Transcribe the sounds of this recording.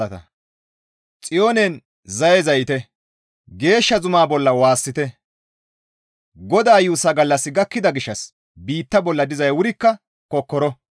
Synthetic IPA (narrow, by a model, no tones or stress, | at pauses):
ɐt̪ɐ̰ | t͡sʼɪjoːnɛn | zɐjɛzɐjɪt̪ɛ | ɡe̞ːʃːɐzʊmaːbɔlːɐwaːsːɪt̪ɛ | ɡɔd̪aːjuːsɐɡɐlːɐsːɪɡɐkːɪd̪ɐɡɪʃːɐs | biːt̪ːɐbɔlːɐd̪ɪzɐjwʊɾɪkːɐ | kɔkːɔɾɔ